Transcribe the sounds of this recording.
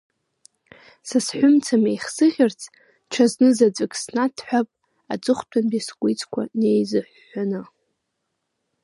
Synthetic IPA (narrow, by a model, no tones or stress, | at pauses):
sasħʷʊmt͡sʰamejχsɨʁʲɪrt͡sʰ | ʈ͡ʂʰaznɨzat͡sʷʼɨkʼsnatʰħʷᶣapʼ | a̰t͡sʼɨχʷtʷʰanbiskʷʼijt͡sʰʼkʷʰa̰ne̞jzɨħːanɨ